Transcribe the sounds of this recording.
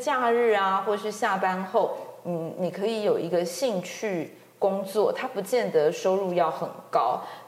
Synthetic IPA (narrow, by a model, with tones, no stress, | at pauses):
t͡ɕja˥˧ɻɻ̩˥˩a˩xwɔ˥˩ə˨˩y˥˧ɕja˥˩pa˥nxo˥˩ʊn̩˥˩ni˨˩kʰɤ˧˥i˧˥jo˨˩ʊi˧˥ɡə˧ɕi˥˧ŋt͡ɕʰy˥˩ | kʊ˥ŋt͡swɔ˥˩t̪ʰa˥pu˧˥t͡ɕjɛ˥˩nd̪ə˩ʂo˥ʊɻu˥˧jɑ˥˩ʊxə˨˩nkɑ˦˥ʊ